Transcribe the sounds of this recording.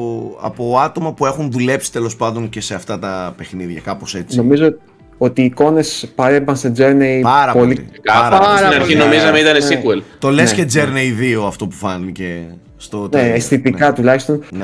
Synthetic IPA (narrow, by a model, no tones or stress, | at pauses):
ɐ̰po̞ɐt̪o̞mɐpue̞xunðule̞psi̥t̪e̞lo̞spɐnd̪o̞ŋce̞seɐft̪ɐt̪ɐpe̞xniðʝɐkɐpo̞se̞t͡sino̞mizo | o̞t̪iːko̞ne̞spɐɾebɐnsed͡ze̞ɾneipɐɾɐpo̞liikɐɐɾɐɐsɾɐɐinɐɾçino̞mizɐmeit̪ɐnessikuelt̪o̞lesced͡zeɾneiðio̞ɐft̪o̞pu̥fɐnice | st̪otneest̪it̪ikɐt̪ulɐçist̪o̞nn